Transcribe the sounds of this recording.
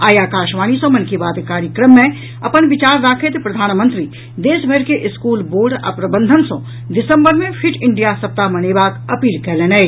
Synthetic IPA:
aːjaːkaːʃʋaːnisõmɐnkibaːd̪kaːɾjəkɾəmːẽ | ɐpənʋɪt͡ʃaːɾːaːkʰet̪epɾɐd̪ʱaːnmə̃nt̪ɾiː | d̪eːʃbʱəɾkeʔɪskuːlboːɾɖə̰pɾəbə̃nd̪ʱənsõ | ɖɪsə̃mbəɾmẽpʰɪɾɪ̃ɳɖijasɐp̚t̪amɐneːbaːkɐpiːlkɐɾlẽːnə

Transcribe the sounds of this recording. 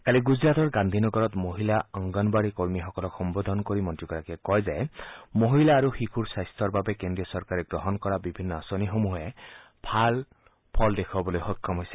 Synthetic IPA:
kaliɡuzɹat̪ɔɹɡand̪ʱinɔɡɔɹɔt̪moɦilaɔŋɡɔnbaɹikoɹmixɔkɔlɔkʰxɔmbod̪ʱɔnkoɹimɔntɹikɔɹakɛkɔjzajmoɦilaːɹuxikʰuɹsajst̪ʰɔɹbabɛkendɹiɔsɔɹkaɹɛɡɹɔɦɔnkɔɹabibʱinːɔasonixomuɦɛ | pʰal | pʰɔldekʰɔbɔlojxot̚kʰːɔmɦojsɛ̥

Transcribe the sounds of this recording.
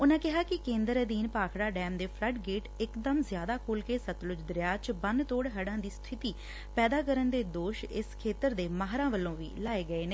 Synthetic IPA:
ʊnãːkɪɦaːkɪkẽːnd̪əɾəd̪iːnpaːkʰɽaːɖɛːmd̪eːpʰləʈɡeːʈɪkd̪əmzɪjaːd̪aːkʰuːlkeːsət̪lʊd͡ʒd̪əɾjaːt͡ʃbənt̪oːɽɦəɽãːd̪iːst̪ʰɪt̪iː | pɛːd̪aːkəɾənd̪eːd̪oːʃɪ̰skʰeːt̪əɾd̪eːmaːɦɾãːʋəlːõːʋḭːlaːeːɡəeːneː

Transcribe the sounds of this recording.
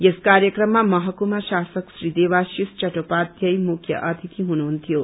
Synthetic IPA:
jeskaɾjəkrʌmːamʌɦʌkumaʃasʌksɾid̪eʋasist͡ʃʌʈopad̪jʌjmukʰjʌ̰ʔʌd̪ʰʱit̪ʰiɦunuɦunt̪ʰijo

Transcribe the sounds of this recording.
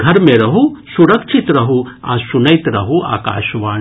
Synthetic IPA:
ɡʱɐɾmẽɾɐɦusuɾɐkʃʰit̪ɾɐɦuã̰ːsunɐjt̪ɾɐɦua̰ːka̰ːʃʋaːɳ

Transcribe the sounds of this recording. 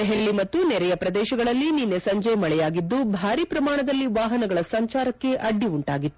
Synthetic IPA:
eɦelːimɐt̪ːunɛɾɛjɐpɾɐd̪ɛːʃɐɡɐɭɐlːininːesɐɲd͡ʒɐjmɐɭɛjaːɡid̪ːubʱaːɾipɾɐmaːɳɐd̪ɐlːiʋaːɦɐnɐɡɐɭɐsɐɲt͡ʃaːɾɐkːe̞ʔɐɖːiuɳʈaːɡit̪ːu

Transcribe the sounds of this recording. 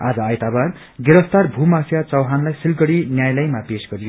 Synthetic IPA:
a̰d͡zʌːjt̪abar | ɡeɾʌst̪arbʱumasijat͡sʌwɦanlajsilɡʌɽinjajlʌjmapesɡʌɾijo

